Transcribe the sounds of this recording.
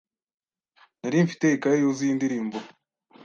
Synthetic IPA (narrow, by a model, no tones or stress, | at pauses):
naɾiːɱfi̥teikaɾejoziindiɾiːmbuɾo